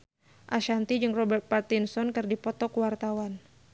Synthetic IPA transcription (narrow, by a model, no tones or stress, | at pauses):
ʔaʃant̪id͡ʒɨŋrɔbɛrt̪̚part̪insɔnkɨrdipɔt̪ɔkuwart̪awan